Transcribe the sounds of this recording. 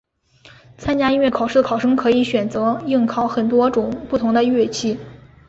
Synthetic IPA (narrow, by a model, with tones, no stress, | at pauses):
t͡sʰa˥nt͡ɕja˥i˥ɥɛ˥˩nkʰɑ˨˩ʊʂ̩˥˩d̪ə˩kʰɑ˨˩ʊʂɤ˥ŋkʰɤ˧˥i˧˥ɕɥɛ˨˩nt͡sɤ˧˥ji˥˩ŋkʰɑ˧˥ʊxə˨˩nt̪wɔ˥ʈ͡ʂʊ˨˩ŋpu˥˩t̪ʰʊ˧˥ŋd̪ə˧ɥɛ˥˧t͡ɕʰi˥˩